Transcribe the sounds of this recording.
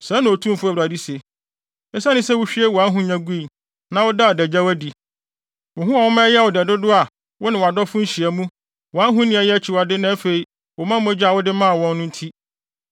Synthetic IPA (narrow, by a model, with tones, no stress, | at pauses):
sã˦nã˨o˨tʰũ˦m˦fʊ˦æ˨a˨di˦se˨ | ɛ˦sa˦nɪ̃˦sɛ˦wʊ˦ɕᶣi˦e˦wɔ˨a˦ɦũ˦ɲã˨ɡu˦i˨ | nã˨wʊ˦da˦˨dɛ˨d͡ʑa˦wæ˦di˨ | wʊ˨ɦʊ̃˦a˨wʊ˦mã˦jɛ˦˨wʊ˨dɛ˨dʊ˦dʊ˦a˨ | wʊ˦nɪ̃˨wa˨dɔ˦fʊ̃˦n̩˦ɕi˨æ˨mũ˦ | wɔ˨a˦ɦũ˦nɪ̃˦æ˨jɛ˦æ˦t͡ɕʰi˨wa˨dɪ˦nã˦fe˨i˦ | wʊ˨mã˦m˦ɛ˦d͡ʑa˨wʊ˦dɪ˦mã˦a˨wɔ̃˦nː˦ʊ̃˦n̩˦tʰi˦